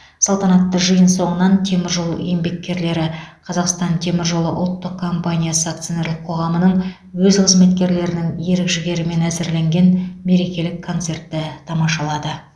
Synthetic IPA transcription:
sɑlˠt̪ɑnɑt̪ːəʒəjənso̞ɴənɑnt̪ʰe̞mɪɾʒol̰ˠjembe̞kʲːe̞ɾle̞ɾɪqʰɑzɑqst̪ɑnt̪ʰe̞mɪɾʒolˠəʔʊ̰t̪ːəq̚kʰːo̞mpanʲijasəakt̪sjone̞ɾlɪk̚qʰo̞ʁɑmənəɴ | wɵzqʰəzme̞t̪kʲe̞ɾle̞ɾɪnɪŋje̞ɾɪkʒɪɡʲe̞ɾɪme̞næzɪɾle̞ŋɡʲe̞nme̞ɾe̞kʲe̞lɪkʰːo̞nt̪se̞rt̪ːɪt̪ʰɑmɑʃɑlˠɑd̪ə

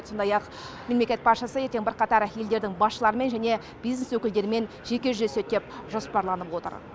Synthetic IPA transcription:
so̞nd̪ɑjɑq | memlekʲet̪̚pʰɑt̪ʃɑsəje̞ɾt̪e̞ŋbɪɾqɑt̪ɑɾje̞ld̪e̞ɾd̪ɪŋbɑsʃəlˠɑɾəme̞nʒæne̞ | b̥ijzneswɵkʲɪld̪e̞ɾɪme̞n | ʒekʲe̞ʒʏʒese̞t̪̚d̪e̞pʒo̞spɑɾlˠɑnəpwo̞t̪ə̰ɾ

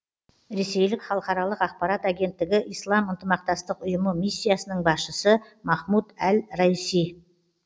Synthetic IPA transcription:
ɾe̞se̞jlɪkχɑlˠəqɑɾɑlˠəqɑq̚pɑɾɑt̪aɡʲe̞nt̪ːɪɡʲɪʔijslˠɑmənt̪əmɑq̚t̪ɑst̪əqʊjəməmisʲːijasənəɴbɑsʃəsə | mɑχmud̪ælɾɑjsij

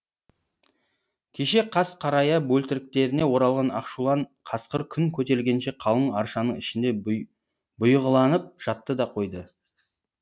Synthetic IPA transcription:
kʲʰe̞ʃe̞qʰɑsqʰɑɾɑjɑbɵlt̪ɪɾɪk̚t̪e̞ɾɪne̞wo̞ɾɑlˠʁɑnɑqʃulˠɑɴqʰɑsqəɾkʲʰʏŋkʲʰɵt̪e̞lɡʲe̞nʃe̞qʰɑlˠəɴɑɾʃɑnəɴɪʃɪnd̪e̞ | bʊjʁəlˠɑnəp̚ʒ̥ɑt̪ːəd̪ɑqʰo̞jd̪ə

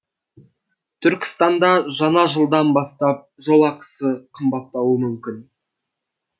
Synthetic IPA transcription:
t̪ʰʏɾkʲɪ̥st̪ɑnd̪ɑʒɑnɑʒəlˠd̪ɑnbɑst̪ɑp̚ʒolˠɑqə̥səqʰəmbɑt̪ːɑwəmʏmkʲɪn

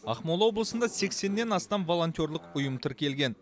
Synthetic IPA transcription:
ɑχmolˠɑwo̞blˠəsənd̪ɑse̞kse̞nːe̞nɑst̪ɑmvo̞lˠo̞nt̪ʲo̞ɾlˠəqʊjəmt̪ʰɪɾkʲʰe̞lɡʲe̞n

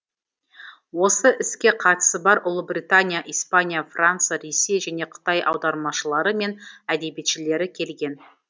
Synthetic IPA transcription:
wo̞səʔɪskʲe̞qʰɑt̪ə̥səbɑɾʔʊlˠəbrijt̪anʲijaʔijspanʲijafrant̪sɨjaɾesːe̞jʒæne̞qʰə̥t̪ɑjʔɑ̰wd̪ɑɾmɑʃəlˠɑɾəme̞næd̪e̞bet̪ʃɪle̞ɾɪkʲʰe̞lɡʲe̞n

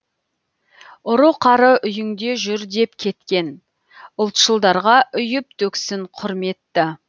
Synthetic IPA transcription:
ʊɾuqʰɑɾəʔʏjɪŋd̪e̞ʒʏɾd̪e̞pkʲʰe̞t̪kʲe̞n | ʊlˠt̪ʃəlˠd̪ɑɾʁɑʔʏjɪp̚t̪ʰɵksɪɴqʰʊɾme̞t̪ːɪ

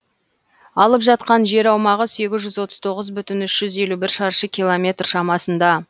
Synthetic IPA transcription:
ɑlˠəpʒɑt̪̚qɑnʒe̞ɾɑwmɑʁəse̞ɡʲɪzʒʏzwo̞t̪ə̥z̥t̪ʰo̞ʁəzbʏt̪ɪnʏʃʒ̥ʏze̞lubɪɾʃɑɾʃəkʲʰijlˠomʲe̞t̪rʃɑmɑsənd̪ɑ

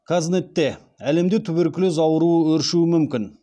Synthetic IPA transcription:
kʰaznet̪ːe̞ | æle̞md̪et̪ʰʏbeɾkʲɪlɪzɑwəɾuəwɵɾʃuəmʏmkʲɪn

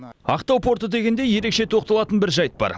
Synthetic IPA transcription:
ɑqt̪ɑwpʰo̞ɾt̪ət̪e̞ɡʲend̪e̞je̞ɾe̞kʃe̞t̪ʰo̞q̚t̪ɑlˠɑt̪ənbɪɾʒɑjt̪̚bɑ̰ɾ

